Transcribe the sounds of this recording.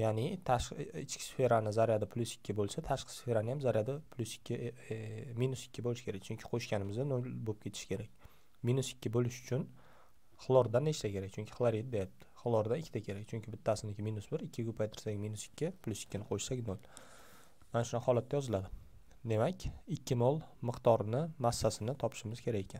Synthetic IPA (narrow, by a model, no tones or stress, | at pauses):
janɪt̪ʰaɪt͡ʃkʲɪ̥sfe̞ɾanɪzaɾjad̪ɪpʰlʲˠʊsɪ̥kʲʰːɪbolˠsat̪ʰaʃqʰɨ̥sfe̞ɾanɪjamzaɾjad̪ɪpʰlʲˠʊsɪ̥kʲʰːɪ | minʊsɪ̥kʲːɪbolɪʃɪkʲʰeɾak̚ʲt͡ʃʰʊŋkʲʰɪ̥qʰoʃkʲanɪmɪzd̪anolbop̚kʲʰet̪ʰɪ̥ʃɪ̥kʲʰe̞ɾakʲ | minʊsɪ̥kʲːɪbolɪʃʊ̥t͡ʃʰʊn | χlˠɒɾd̪aneʃt̪sakʲe̞ɾak̚ʲt͡ʃʰʊŋʲkʰʲɪχlˠaɾit̪̚d̪ejap̚t̪ʰɪ̥χlˠɒɾd̪anɪkʲʰːɪt̪ʰakʲʰe̞ɾak̚ʲt͡ʃʰʊŋʲkʰʲɪbɪt̪ʰːasɪnɪkʲɪminʊsbɪɾɪkʲːɪkopʰajt̪ʰɪɾsakʲminʊsɪ̥kʲʰːɪpʰlʲˠʊsɪ̥kʲːɪnɪqʰoʃsakʲnolˠ | manaʃʊnaqhɒlˠat̪̚ʰːajɒzɪlad̪ɪ | d̪e̞makʲɪkʲːɪmɒlˠmɨqt̪ɒɾnɪmasːasɪnɪt̪ʰɒpʰɪ̥ʃɪmɪz̥kʲʰe̞ɾakʲe̞kʲʰan